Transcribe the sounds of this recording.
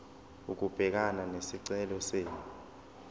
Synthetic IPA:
uk̬ub̥ʱɛk̬ananesiǀɛlɔseːni

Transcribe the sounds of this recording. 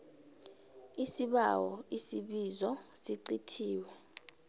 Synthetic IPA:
isiɓawɔisiɓizɔsiǀitʰiːwɛ

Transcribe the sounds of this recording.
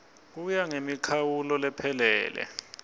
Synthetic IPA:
k̬ujaŋemikʰawulɔlɛpʰɛlɛ̰ːlɛ̰

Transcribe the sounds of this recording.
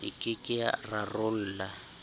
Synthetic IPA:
ḭkʼɪkʼɪa̰rarʊl̩ːla

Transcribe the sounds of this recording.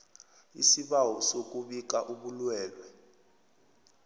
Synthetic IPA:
ḭsiɓawɔsok̬ʼuɓik̬aʔuɓulwɛːlwɛ

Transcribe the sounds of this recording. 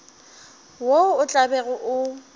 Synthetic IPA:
woʊt͡ɬʼabɛɣʊʔʊ

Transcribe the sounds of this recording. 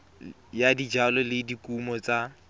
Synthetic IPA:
jadid͡ʒalɔlɪdikʼumɔt͡sa

